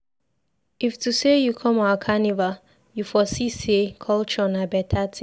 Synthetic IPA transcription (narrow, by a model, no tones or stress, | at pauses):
iftusejukʰɔ̃maʊakʰaniva | jufɔsisekʰɔlt͡ʃɔ̃nabɛtʰatʰĩ